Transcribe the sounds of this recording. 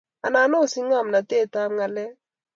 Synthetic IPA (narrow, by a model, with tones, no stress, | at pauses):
a˨na˨˦no˦˨si˦ŋa˦˨mna˨te˦˨ta˦m˦ŋa˨lɛ˦